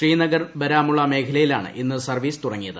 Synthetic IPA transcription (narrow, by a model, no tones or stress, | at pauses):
ʂriːnɐɡɐrʋɐɾaːmuɭːɐme̞ːkʰɐlɐjila̰ːɳɨ̰ʔinːɨsɐrʋiːst̪urɐŋːijɐðɨ